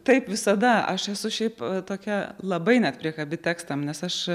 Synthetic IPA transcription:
t̪ɐɪpʋʲɪsɐd̪ɐɐʃɛsʊʃʲɛɪpt̪oːkʲɛlˠɐbɐɪnʲɛt̪pʲɾʲiɛkɐbʲɪt̪ʲæːkst̪ɐmnʲɛsɐʃ

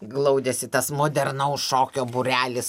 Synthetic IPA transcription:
ɡlˠɐʊd̪ʲesʲɪt̪ɐsmoːd̪ʲɛrnɐʊsʃoːkʲoːbuɾʲæːlʲɪs

